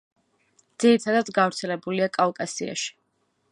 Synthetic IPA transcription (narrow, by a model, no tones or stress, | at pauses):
d̪̥z̥iɾit̪ʰad̪ad̪sɡavɾt̪sʰɛlɛbuliakʼalkʼasḭa̰ʃi̥